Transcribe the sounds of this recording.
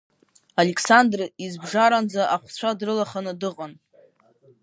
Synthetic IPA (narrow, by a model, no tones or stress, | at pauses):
alekʰsandrizbʐaɾand͡zaʔaχʷt͡st͡ɕʷʰadrɨlaχanɨdɨqʼan